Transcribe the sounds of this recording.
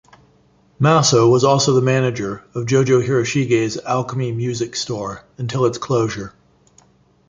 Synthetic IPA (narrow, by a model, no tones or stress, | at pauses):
mæsoʊwʌzɔlˠsoʊðəmænɨd͡ʒə˞ʌvd͡ʒoʊd͡ʒoʊhɪɹɨʃiɡeɪzælˠkəmimjʉzɨkstɔɹɨ̃ntʰɪlˠətskʰl̥oʊʒə˞